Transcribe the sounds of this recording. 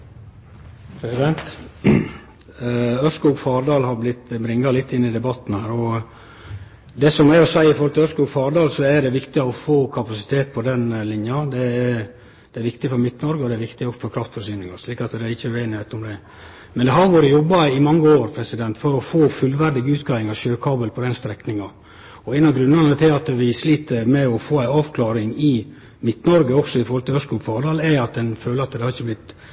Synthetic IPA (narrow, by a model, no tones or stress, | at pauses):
pʰɾɛsɪd̪ɛnt̪ | œʂkuːɡfɑːɾd̪ɑːlhɑɾblɪt̪ːbɾɪŋːɑlɪt̪ːɪnːɪd̪ɛbɑt̪ːn̩hæːɾɔ | d̪ɛsɔmɛɾɔsæɪɪfoɾhlt̪ɪœʂkuːɡfɑːɾd̪ɑːlsɔæɖ̪ɛʋɪkt̪ɪɔfoːkʰɑpɑsɪt̪ʰeːt̪̚pʰɔd̪ɛnlɪnjɑd̪ɛ | d̪̥ɛɛɾʋɪkt̪ɪfɔɾmɪt̪ːnɔɾɡəɔd̪ɛɾʋɪkt̪ɪɔfɔɾkʰɾɑft̪fɔɾʂyːnɪŋɑʂliːkɑt̪d̪ɛɾɪçːəæʉeːnɪheːt̪ɔmd̪ɛ | mɛnd̪ɛɦɑɾʋoːɾəjɔbːɑɪmɑŋːəoːɾpʰɾɛsɪd̪ɛnt̪fɔɾɔfoːfʉlʋæɾd̪ɪɡʉːt̪ɡɑːɪŋɑʋʃøːkʰɑːbəlpʰɔd̪ɛnst̪ɾɛknɪŋɑ | ɔæɪnɑɡɾʉnːɑnət̪ʰɪlɑt̪ʋɪsliːt̪əɾmɛɔfoːæɪɑːʋkʰlɑːɾɪŋɪ | mɪt̪ːnɔɾɡəɔksɔɪfɔɾhɔlt̪ʰɪœskuːfɑːɖ̪ɑlɛɑt̪̚d̪ɛnføːləɾɑt̪d̪ɛhɑɾɪçːəblɪt̪